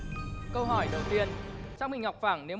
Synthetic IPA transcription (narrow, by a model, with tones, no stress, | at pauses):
kə˧wɦɔ˧˩jɗə˨˩wt̪i˧ənt͡ɕaː˦˥ŋ͡mmï˧ŋ̟ɦa˨˩wk͡p̚faː˧˩ŋne˨˦w